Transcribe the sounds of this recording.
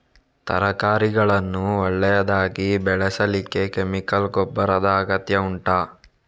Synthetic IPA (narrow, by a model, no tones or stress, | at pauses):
t̪ɐ̰ɾɐkaːɾiɡɐɭɐnːuɔɭːɛjɐd̪aːɡibɛɭɛsɐlikːe̞kemikɐlɡɔbːɐɾɐd̪ɐːɡɐt̪jɐuɳʈaː